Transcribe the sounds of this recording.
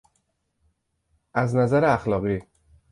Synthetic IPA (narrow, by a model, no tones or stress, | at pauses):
ʔæznæzæɾeæxlɒːɣiː